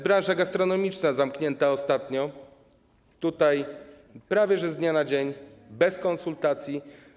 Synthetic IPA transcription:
bɾãw̃ʐaɡast̪ɾɔnɔmʲit͡ʂnazamkɲɛnt̪aɔst̪at̪ɲɔ | t̪ut̪aj | pɾavʲjɛʐɛzd̪ɲanad͡ʑeɲbɛskɔ̃nsult̪at̪sʲji

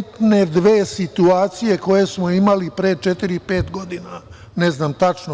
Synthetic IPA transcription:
t̪ne̞d̪ʋe̞ːsit̪uaːt̪sije̞ko̞je̞smoimalipɾeːt͡ʃet̪iɾipe̞ːt̪ɡo̞d̪ina | neznamt̪at͡ʃno

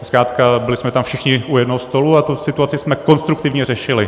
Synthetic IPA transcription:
skɾaːt̪kabɪlɪsmɛt̪amfʃɪxɲɪujɛdnoɦost̪o̞luat̪usɪt̪uat͡sɪsmɛko̞nst̪ɾuk̚t̪ɪvɲɛrɛʃɪlɪ

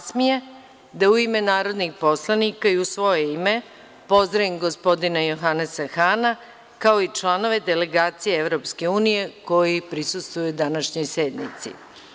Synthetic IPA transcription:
smije | d̪auime̞naːɾo̞d̪nixpo̞slˠanikaiusʋo̞jeime̞ | po̞zd̪ɾaimɡospo̞d̪inajo̞xanesaxana | kao̞it͡ʃlˠano̞ʋe̞d̪ele̞ɡaːt̪sijeevɾo̞pske̞uːnije̞ko̞jipɾisust̪vujud̪anaʃɲo̞jsed̪nḭt̪sḭ

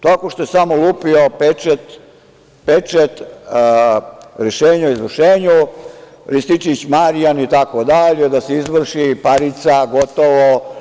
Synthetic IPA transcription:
t̪akoʃt̪ojesamolˠuːpiopet͡ʃet̪ | pet͡ʃet̪ | ɾeʃeːɲaoizʋr̩ʃeːɲu | ɾist̪it͡ʃit͡ɕmaɾijanit̪akod̪aʎed̪aseizʋr̩ʃipaɾit̪saɡot̪oʋo

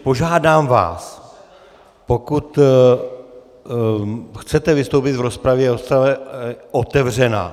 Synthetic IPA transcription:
po̞ʒaːdaːmva̰ːs | po̞kut̪ | xt͡sɛt̪ɛvɪst̪owpɪt̪vɾo̞spɾavjɛɾospɾavɛʔot̪ɛvr̝ɛna̰ː

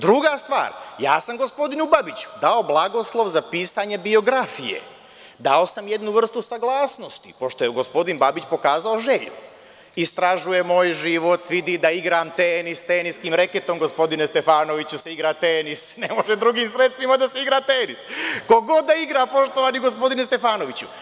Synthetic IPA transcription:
d̪ɾuɡast̪ʋa̰ːɾja̰ːsamɡo̞spo̞d̪inubabit͡ɕu̥d̪ao̞blˠaɡo̞slˠo̞ʋzapiːsaɲe̞bio̞ɡɾafijḛ | d̪ao̞samjed̪nuʋr̩st̪usaɡlˠaːsno̞st̪ipo̞ʃt̪ojeɡo̞spo̞d̪inbabit͡ɕpo̞kaːzaoʒeʎṵ | ist̪ɾaʒuje̞mo̞ːjʒiʋo̞t̪ʋid̪id̪aiɡɾaːmt̪eːnist̪eːniskiːmɾeket̪o̞mɡo̞spo̞d̪inest̪e̞faːno̞ʋit͡ɕuseiɡɾat̪eːnisnemo̞ʒed̪ɾuɡiːmsɾet̪st̪ʋimad̪aseiɡɾaːt̪eːnisko̞ɡo̞d̪̚ːaiɡɾaːpo̞ʃt̪oʋaniɡo̞spo̞d̪inest̪e̞faːno̞ʋit͡ɕṵ

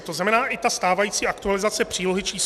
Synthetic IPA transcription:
t̪oznamɛnaːʔɪt̪ast̪aːvajiːt͡siːʔakt̪ualɪzat͡sɛpr̥iːlo̞ɦɪt͡ʃiːs

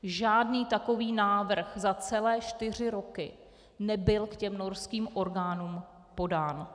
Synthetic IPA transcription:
ʒaːdniːt̪ako̞viːnaːvr̩xzat͡sɛlɛːt͡ʃt̪ɪr̝ɪɾo̞kɪ | nɛbɪlkcɛmno̞ɾskiːmʔo̞ɾɡaːnuːm | po̞daːn

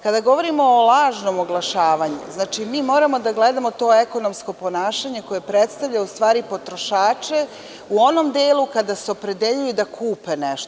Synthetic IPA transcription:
kad̪aɡo̞ʋo̞ɾimo̞ːlˠaːʒno̞moɡlˠaʃaːʋaɲṵznaːt͡ʃimiːmo̞ːɾamo̞d̪aɡle̞d̪amo̞t̪o̞ːeko̞no̞msko̞po̞naːʃaɲe̞ko̞je̞pɾet̪st̪aʋʎʲaust̪ʋaːɾipo̞t̪ɾo̞ʃaːt͡ʃe̞ | uo̞no̞md̪eːlˠukad̪aseopɾe̞d̪eʎujud̪akʰuːpe̞neʃt̪o

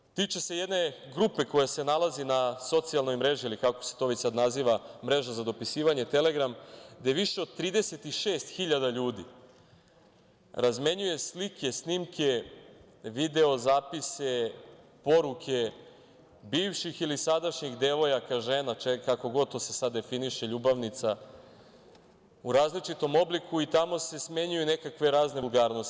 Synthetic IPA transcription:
t̪iːt͡ʃese̞je̞d̪ne̞ɡɾupe̞ko̞jase̞nalˠazinaso̞t̪sijalno̞jmɾe̞ʒiilikako̞̥set̪o̞ʋe̞t͡ɕsad̪naziːʋamɾe̞ʒazad̪o̞pisiːʋaɲe̞t̪e̞le̞ɡɾamd̪ajeʋiʃe̞od̪̚t̪ɾiːd̪e̞se̞t̪iʃeːst̪xiʎad̪aʎuːd̪ḭ | ɾazme̞ɲuje̞slikʰe̞snimke̞ | ʋid̪e̞o̞zaːpise̞po̞ɾukʰe̞ | biːʋʃixilisad̪aʃɲiɣd̪e̞ʋo̞jakaʒe̞ːnat͡ʃekako̞ɡo̞d̪̚t̪o̞ːsesad̪ːe̞finiʃe̞ʎuːbaʋnit̪sa | uɾaːzlit͡ʃit̪o̞mo̞blikuit̪amo̞se̞sme̞ɲujune̞kakʋe̞ɾaːznelˠɡaːɾnos

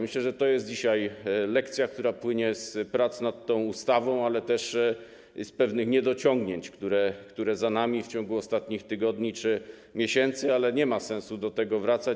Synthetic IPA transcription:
mɘɕlɛʐɛt̪ɔjɛst̪̚d͡ʑiɕajlɛkt̪sʲjak̚t̪uɾapwɘɲɛspɾat̪snat̪ːɔ̃w̃ust̪avɔ̃w̃alɛt̪ɛʂ | spɛvnɘxɲɛd̪ɔt͡ɕɔ̃ŋɡɲeɲt͡ɕkt̪uɾɛkt̪uɾɛzanamʲift͡ɕɔŋɡuɔst̪at̪ɲixt̪ɘɡɔd̪ɲit͡ʂɘ | mʲjeɕɛnt̪sɘalɛɲɛmasɛ̃w̃sud̪ɔt̪ɛɡɔvɾat̪sa

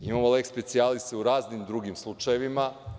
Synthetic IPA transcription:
imamolekspe̞t̪sialist̪euɾaːznimd̪ɾuɡimslˠut͡ʃajeʋima

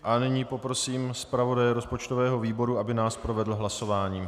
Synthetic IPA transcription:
ʔanɪɲiːpo̞pɾo̞siːmspɾavo̞dajɛɾo̞spot͡ʃt̪o̞vɛːɦo̞viːbo̞ɾuʔabɪnaːspɾo̞vɛdl̩ɦlaso̞vaːɲiː

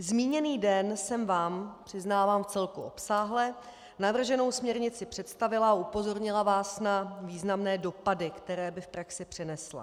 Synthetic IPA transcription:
zmiːɲɛniːdɛnsɛmvaːmpr̝̥ɪznaːvaːmft͡sɛlkuʔo̞̰psaːɦlɛ | navr̩ʒɛno̞wsmɲɛɾɲɪt͡sɪpr̥ɛt̪st̪avɪlaaupo̞zo̞ɾɲɪlavaːsnaviːznamnɛːdo̞padɪkt̪ɛɾɛːbɪfpɾaksɪpr̝̥ɛnɛsla̰

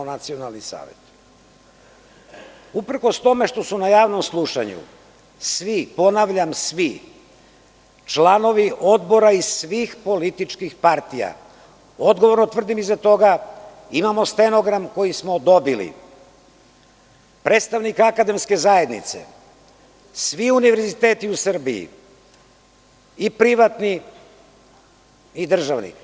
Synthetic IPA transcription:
nat̪sio̞nalˠnisa̰ːʋḛt̪ | upr̩ko̞st̪o̞me̞ʃt̪o̞sunajaːʋno̞mslˠuʃa̰ɲṵ | sʋipo̞naʋʎamsʋi | t͡ʃlano̞ʋiʔo̞d̪bo̞ɾaisʋiːxpo̞lit̪it͡ʃkixpaɾt̪ija̰ | o̞d̪ɡoʋo̞ɾno̞t̪vr̩d̪imizat̪o̞ɡa | imamo̞st̪eno̞ɡɾamko̞jismo̞d̪o̞bilḭ | pɾeːt̪st̪aʋnikakad̪e̞mske̞zaje̞d̪nḭt̪sḛ | sʋiuniʋeɾzit̪e̞ːt̪iusr̩bḭḭ | ipɾiʋat̪ni | id̪r̩ʒaʋnḭ

